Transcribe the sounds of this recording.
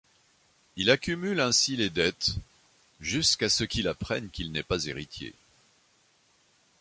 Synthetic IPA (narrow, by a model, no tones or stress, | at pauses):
ilakʲymylɛ̃siled̪ɛt̪ | ʒyskasəkʲilapχɛnkʲilnɛpazeʁit̪jḛ